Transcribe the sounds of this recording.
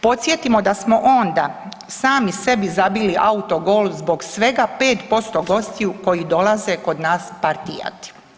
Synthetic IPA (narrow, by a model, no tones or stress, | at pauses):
po̞t̪sjet̪imo̞d̪asmo̞ʔo̞nd̪a | saːmise̞bizabiliʔaut̪o̞ɡoːlzbo̞ɡsʋe̞ɡapeːt̪po̞st̪o̞ɡo̞st̪ijuko̞jid̪o̞lˠaze̞ko̞d̪naːspaɾt̪ija̰t̪i̥